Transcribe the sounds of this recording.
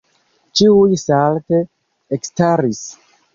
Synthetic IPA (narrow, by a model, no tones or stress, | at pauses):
t͡ʃiujsalte | ekstaɾis